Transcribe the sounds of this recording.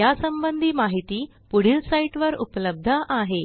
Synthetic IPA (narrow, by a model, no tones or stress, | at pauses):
jasəmbənd̪ʱiːmaɦit̪iː | puɽ̤iːlsaiʈʋəɾṵpləb̚d̪ʱəʔaɦe